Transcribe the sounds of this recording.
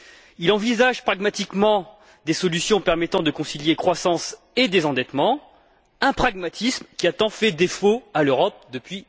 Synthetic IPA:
ilɑ̃vizaʒpχaɡmat̪ikmɑ̃ | d̪esɔlysjɔ̃pɛʁmɛt̪ɑ̃d̪əkɔ̃siljekχwasɑ̃s | ed̪ezɑ̃d̪ɛt̪mɑ̃ | ɛ̃pχaɡmat̪ʰismkʲiat̪ɑ̃fɛd̪efoaløʁɔp̚d̪əpɥi

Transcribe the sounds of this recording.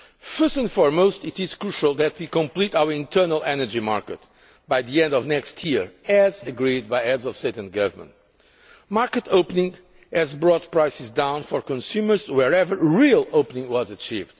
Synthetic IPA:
fɜ˞stɨ̃nfɔɹmoʊstitiz̥kɹuʃəlˠðɛt̪ʰwikɔ̃mplitawəɹĩntʰɜ˞nəlˠɛnə˞d͡ʒima̰ɹkət | bajðiɛ̃ndɔvnɛkstʰjiɹɛzɨɡɹid̪̚baɪɛdzɔv̥steɪtɨ̃n̚ɡʌvə˞mə̰̃nt | maɹkət̪ʰoʊpənĩŋ | ɨzbɹɔt̚pɹajsɨzdãw̃nfɔɹkɔ̃nsjumə˞zwɛɹɛvə˞ɹilˠoʊpənĩŋɡwɔzət͡ʃivd̪̥

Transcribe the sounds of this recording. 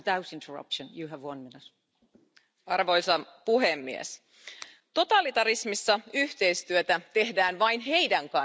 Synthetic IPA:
daʊsɪ̃ntʰəɹʌ̰pʃə̃njɨəvwʌ̃nmɪnɪt | ɑrʋo̞jsɑpuɦemːiḛs | t̪o̞t̪ɑlit̪ɑɾismisːɑyht̪e̞jst̪yøt̪æt̪e̞ɦdæːnʋɑinɦe̞jdæŋkɑ

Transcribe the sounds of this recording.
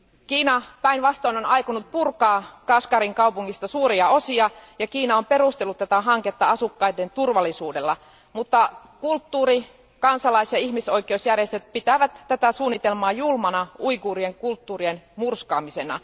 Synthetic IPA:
kiːnɑpæinʋɑst̪oinonɑjkunut̪̚purkɑːkɑskɑɾiŋkɑwpuŋːist̪ɑsuːɾiɑo̞siɑjɑkiːnɑompe̞rust̪elːut̪t̪æt̪æɦɑŋket̪ːɑɑsukːɑident̪urʋɑlːˑisuːdelːɑ | mut̪ːɑ | kult̪ːuːɾi | kɑnsɑlɑisjɑiçmiso̞ikeusjærjest̪øt̪̚pit̪æʋæt̪ːæt̪æsuːnːit̪e̞lmɑːjulmɑnɑuikuːrieŋkult̪ːuːrienmurskɑːmise̞nɑ̰

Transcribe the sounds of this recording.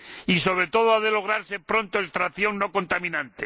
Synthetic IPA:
iso̞β̞ɾe̞t̪o̞ð̞oaðelo̞ɣ̞ɾaɾsepɾo̞nt̪oest̪ɾaθjo̞ŋno̞ko̞nt̪amĩnãnt̪e

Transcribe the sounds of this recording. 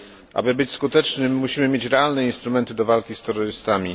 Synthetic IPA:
ʔa̰bɘbɘt͡ɕskut̪ɛt͡ʂnɘmːuɕimɘmʲjet͡ɕɾɛalnɛinst̪ɾumɛnt̪ɘd̪ɔvalkʲist̪ɛɾːɔɾɘst̪amʲi

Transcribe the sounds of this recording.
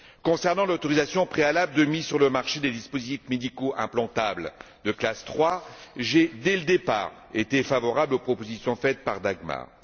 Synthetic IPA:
kɔ̃sɛʁnɑ̃lot̪ɔʁizasjɔ̃pχealabld̪əmisyʁləmaʁʃed̪ed̪ispozit̪ifmed̪ikoʔɛ̃plɑ̃t̪abl | d̪əklast̪χwaʒed̪ɛləd̪epa̰ʁet̪efavɔʁablopχɔpozisjɔ̃fɛt̪̚paʁd̪aɡma̰ʁ

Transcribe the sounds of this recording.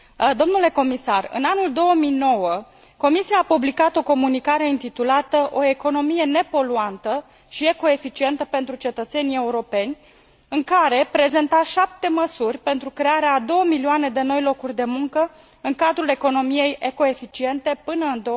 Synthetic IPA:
d̪o̞mnule̞ko̞misarɨ̰nanuld̪o̞wəmijno̞wə | ko̞misiaːpublikat̪o̞ko̞munikaɾe̞int̪it̪ulat̪əʔo̞e̞ko̞no̞mije̞ne̞po̞luant̪ə | ʃie̞ko̞e̞fit͡ʃie̞nt̪əpe̞nt̪ɾut͡ʃe̞t̪ət̪se̞nije̞uɾo̞pe̞nʲ | ɨŋkaɾe̞pɾe̞ze̞nt̪aʃap̚t̪e̞məsurʲpe̞nt̪ɾukɾe̞aɾead̪o̞wəmiliane̞d̪e̞no̞jlo̞kurʲd̪e̞muŋkə | ɨŋkad̪ɾule̞ko̞no̞mije̞jeko̞e̞fit͡ʃie̞nt̪e̞pɨnəɨnd̪o

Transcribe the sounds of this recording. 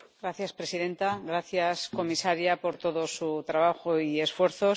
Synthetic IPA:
ɡɾaθjaspɾe̞siðẽ̞nt̪aɣɾaθjasko̞misaɾjapo̞ɾt̪o̞ðo̞sut̪ɾaβ̞axoie̞sfwe̞ɾθo̞

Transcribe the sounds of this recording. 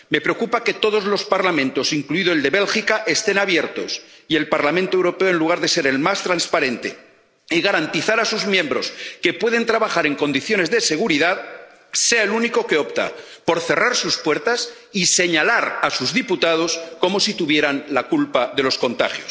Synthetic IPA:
me̞pɾe̞okupake̞t̪o̞ðo̞zlo̞spaɾlamẽnt̪o̞siŋkluiðoeld̪e̞βe̞lxikaʔe̞st̪e̞naβje̞ɾt̪o̞sie̞lpaɾlamẽnt̪oe̞wɾo̞peoe̞nluɣ̞aɾðe̞se̞ɾe̞lmast̪ɾanspaɾẽ̞nt̪e̞̰ | iɣaɾant̪iθaɾasuzmjẽ̞mbɾo̞ske̞pwe̞ðe̞nt̪ɾaβaxaɾe̞ŋko̞nd̪iθjone̞zðe̞se̞ɣuɾiðað | se̞aeluniko̞ke̞o̞pt̪a̰po̞ɾθe̞raɾsuspweɾt̪as | ise̞ɲalaɾasuzðiput̪að̞o̞sko̞mo̞sit̪uβje̞ɾanlakulpaðe̞lo̞sko̞nt̪a̰xjo̞s

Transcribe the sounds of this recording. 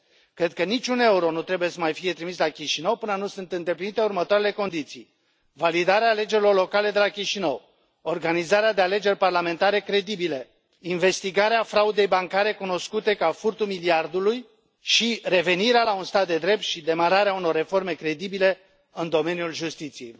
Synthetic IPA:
kɾe̞d̪̚kənit͡ʃune̞uɾo̞nut̪ɾe̞buje̞səmajfije̞t̪ɾimislakʲiʃinəwpɨnənusunt̪ɨnd̪e̞plinit̪e̞urmət̪oaɾe̞le̞ko̞nd̪it̪sij | valid̪aɾeaːle̞d͡ʒeɾilo̞rlo̞kale̞d̪e̞lakʲiʃinəw | o̞rɡanizaɾead̪e̞ale̞d͡ʒe̞rʲparlame̞nt̪aɾe̞kɾe̞d̪ibile | inve̞st̪iɡaɾeafɾaud̪e̞jbaŋkaɾe̞kuno̞skut̪e̞kafurt̪umiliard̪uluj | ʃire̞ve̞niɾealaunst̪at̪̚d̪e̞d̪ɾe̞p̚t̪ʃid̪e̞maɾaɾeauno̞rːe̞fo̞rme̞kɾe̞d̪ibile̞ | ɨnd̪o̞me̞njulʒust̪it̪sije̞̰j

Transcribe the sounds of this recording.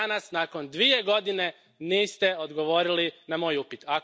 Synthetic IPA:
nasnako̞nd̪ʋije̞ɡo̞d̪ine̞ | niːst̪e̞o̞d̪ɡo̞ʋo̞ːɾilinamo̞ːjupit̪a

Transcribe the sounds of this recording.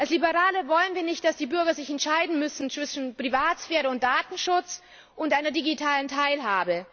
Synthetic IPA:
ʔalslibəʁaːləvɔlənviːɐnɪçt̚d̥asd̥iːbʏɐɡɐzɪçɛntʃaɪdn̩mʏsn̩t͡sv̥ɪʃn̩pʁ̥ivaːtsfɛːʁəʊnt̚d̥aːtn̩ʃʊt͡s | ʔʊntʔaɪnɐdiɡitʰaːləntʰaɪlɦaːbə

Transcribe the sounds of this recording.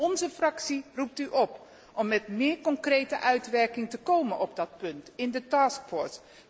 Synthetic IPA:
ɔnzəfrɑksirup̚tyʔɔp | ɔmːɛtmɪːɹkɔŋkrejtəʔœɥtʋɛɹkɪŋtəkowmənʔɔb̚dɑt̚pɵntɪndətɑːskfɔɹs

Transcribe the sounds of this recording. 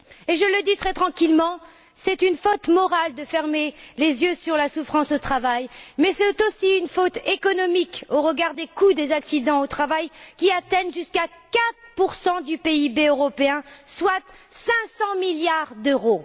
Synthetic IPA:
eʒələd̪it̪χɛt̪χɑ̃kʲilmɑ̃ | sɛt̪ynfot̪mɔʁald̪əfɛʁmelezjøsyʁlasufχɑ̃sot̪χavajmɛsɛt̪osiynfot̪ekɔnɔmikoʁəɡaʁd̪ekud̪ezaksid̪ɑ̃ot̪χavajkʲiat̪ɛnʒyskakat̪χpuʁsɑ̃d̪ypeibeøʁɔpeɛ̃swat̪sɛ̃sɑ̃miljaʁd̪øʁo

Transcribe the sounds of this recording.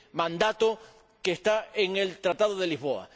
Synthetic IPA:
mãnd̪at̪o | keːst̪aeŋelt̪ɾat̪aðoð̞e̞liɦβo̞a̰

